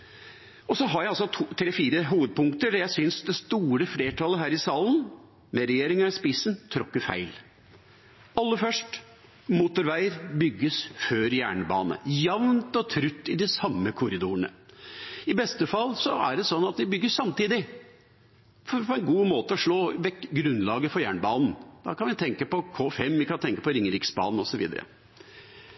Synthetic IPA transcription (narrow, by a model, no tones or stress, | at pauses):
ɔsɔɦɑɾjæɪɑlsɔt̪ʰːt̪ʰɾeːfiːɾəɦuːʋəd̪̚pʰʊŋkt̪əɖɑɾjæɪsʏnsd̪ɛst̪uːɾəfleːʈʰɑːləɦæːɾɪsɑːlən | mɛɾɛjeːɾɪŋəspɪsənt̪ʰɾɔkːəɾfæ̰ɪl | ɑlːəfœʂʈ | mʊt̪ʊɾʋæɪɾbʏɡːəsføːɾjæ̰ːɳəbɑ̰ːnə̰jɑʋnt̪ɔt̪ʰɾʉt̪ːɪd̪ɪsɑmːəkʰʊɾɪd̪uːəɳə̰ | ɪbɛst̪əfɑlːsɔæ̰ɖɛsɔnːɑt̪d̪ɪbʏɡːəssɑmt̪iːd̪ɪ | fɔpʰɔɛnɡuːmoːt̪əɔʂɭoːʋɛkɡɾʉnːlɑːɡəfɔɾjæːɳəbɑːnn̩d̪̥ɑ̰ːkʰɑnʋɪt̪ʰɛŋkəpɔkʰoːfɛmːʋɪkɑnt̪ʰɛŋkə̥pɔɾɪŋːəɾɪksbɑ̰ːnn̩ɔsɔʋḭːd̪ə̰ɾə̰